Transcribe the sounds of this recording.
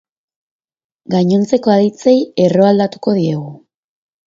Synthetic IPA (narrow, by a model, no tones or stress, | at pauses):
ɡajɲo̞nt͡se̞ko̞aðit͡seje̞ro̞ald̪at̪u̥ko̞ð̞ie̞ɣu